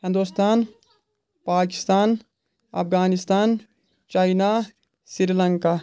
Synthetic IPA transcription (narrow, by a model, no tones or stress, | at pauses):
hɪ̃nd̪ust̪aːn | paːkɪ̥st̪aːn | ɐ̰pɡaːnist̪aːn | t͡ʃaːina | siɾilɐŋkaː